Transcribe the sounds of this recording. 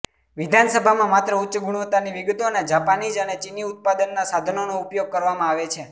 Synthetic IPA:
ʋid̪ʱansəbʱamãmat̪ɾəutːt͡ʃəɡuɽ̃ʋət̪aniʋiɡət̪oned͡ʒapanid͡ʒənet͡ʃiniut̪̚pad̪ənːasad̪ʱənonoupjoɡ̚kəɾʋamãaʋet͡ʃʰe

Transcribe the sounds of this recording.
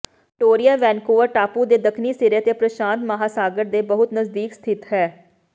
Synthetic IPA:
ʈoːɾijaːʋɛ̃ːnkoːəɾʈaːpuːd̪eːd̪əkʰniːsɪɾeːt̪eːpɾəʃãːnt̪məɦaːsaːɡəɾd̪eːbəɦʊt̪nəzd̪iːkst̪ʰɪt̪ɦɛː

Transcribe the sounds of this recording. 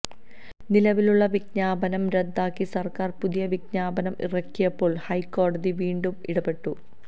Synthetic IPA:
nilɐʋiluɭːɐʋiɡɲaːbɐnɐmɾed̪ːaːkːisɐrkaːrpuðijɐʋiɡɲaːbɐnɐmḭrɐkːijɐpːo̞ːɭhɐjkːo̞ːɽɐðiʋiːɳɖumḭɽɐbe̞ʈːu

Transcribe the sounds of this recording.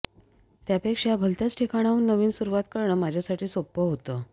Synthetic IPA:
t̪japekʂabʱəlt̪jat͡sʈʰekaɽ̃auːnnəʋiːnsuɾuʋat̪kəɾɳəmad͡ʑʱjasaʈʰiːsopːəɦot̪ə

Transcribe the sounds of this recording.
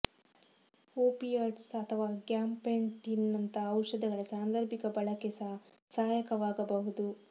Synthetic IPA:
oːpiaːʈsɐt̪ʰɐʋaːɡjaːmpeɳʈinːɐnt̪ɐɐwʂɐd̪ɐɡɐɭɐsaːnd̪ɐɾbʱikɐbɐɭɐkɛsa | saːjɐkɐʋaːɡɐbɐɦud̪u

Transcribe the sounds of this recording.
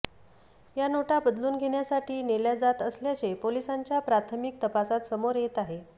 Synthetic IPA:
janoʈabəd̪luːnɡʱeɽjasaʈiːneljad͡zat̪əsljat͡ɕepolisaɲt͡ɕjapɾat̪ʰəmik̚t̪əpasat̪səmoɾjet̪aɦe

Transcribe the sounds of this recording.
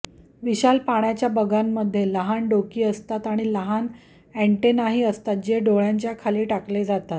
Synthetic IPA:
ʋiɕalpaɽ̃jat͡ɕjabəɡamːəd̪ʱːjeləɦanɖokiːəst̪at̪aɽ̃iləɦan | æɳʈenaɦiːəst̪at̪̚d͡ʑeɖoɭjaɲt͡ɕjakʰaliːʈakled͡zat̪at̪̚

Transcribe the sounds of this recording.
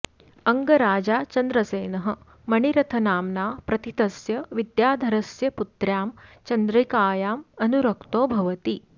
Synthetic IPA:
ɐŋɡɐɾaːd͡ʒaːt͡ʃɐnd̪ɾɐseːnɐɦə̆ | mɐɳiɾɐt̪ʰɐnaːmnaːpɾɐt̪it̪ɐsjɐʋid̪jaːd̪ʱɐɾɐsjɐput̪ɾjaːmt͡ʃɐnd̪ɾɐikaːjaːmɐnuɾɐkt̪oːbʱɐʋɐt̪iː

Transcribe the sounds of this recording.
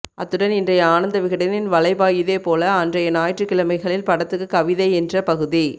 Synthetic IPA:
ʔɐt̪ːɯɽɐnɪndrɐjɐaːnɐnd̪ɐʋɪɣɪɽɐnɪnʋɐɭɐɪbaːjɪðeːpoːlɐɐndrɐjɐnaːjʈrɯkːɪɭɐmɐɪɣɐɭɪlpɐɽɐt̪ːɯkːɯkːɐʋɪðɐɪɛndrɐpɐɣɯði

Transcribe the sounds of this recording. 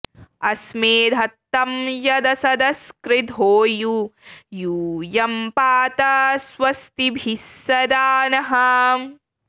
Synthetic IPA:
ɐsmeːd̪ʱɐt̪ːɐmjɐd̪ɐsɐd̪ɐskɾid̪ɦoːjujuːjɐmpaːt̪ɐsʋɐst̪ibʱisɐd̪aːnɐɦɐ

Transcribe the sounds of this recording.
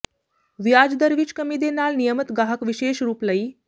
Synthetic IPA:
ʋjad͡zd̪əɾʋiːt͡ɕkəmiːd̪enaːlnijəmət̪ɡaɦəkʋiɕeːʃɾuːpləiː

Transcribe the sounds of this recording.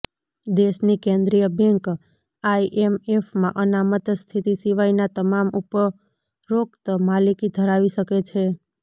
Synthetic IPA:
d̪eʃnikẽnd̪ɾijəbʱjəŋk | aiʔemefmã̰ʔənamət̪st̪ʰit̪isiʋainat̪əmamupə | ɾokt̪malikid̪ʱəɾaʋiʃəket͡ʃʰe

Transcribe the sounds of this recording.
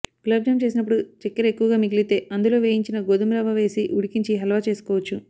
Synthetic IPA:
klɐb̚d͡ʒɐmt͡ʃe̞ːs̬inɐpːuɽut͡ʃikːɐɾe̞kːuʋɐɡaːmiɡlit̪e̞ːʔɐnd̪ulo̞ːʋeːjiɲt͡ʃinɐɡod̪umɾaʋɐʋe̞ːsiʔuɽikiɲt͡ʃiɦɐlɐʋaːt͡ʃe̞ːsu̥kɔːʋɐt͡ʃːu

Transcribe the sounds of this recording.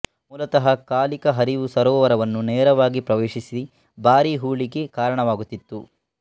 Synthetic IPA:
muːlɐt̪ɐɦɐkaːlikɐɦɐɾiʋusɐɾɔːʋɐɾɐʋɐnːunɛːɾɐʋaːɡipɾɐʋeːʃisi | baːɾiɦuːɭiɡe̞kaːɾɐɳɐʋaːɡut̪ːit̪ːu

